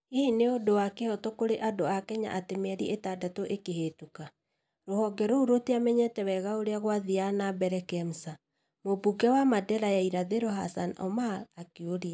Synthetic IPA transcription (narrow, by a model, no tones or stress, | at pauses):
ehineodowakehɔtɔkoɾeʔadoakɛɲa̰ʔatemɛɾiɛ̰etadatoʔekeɦetuka | ɾohɔɡɛɾouɾoteamɛɲɛtɛwɛɣaoɾeaɣwaðianabɛɾɛkɛm̩sa | mobuɡɛwamadɛɾajaiɾaðeɾoɦa̰sanɔ̰malakeoɾia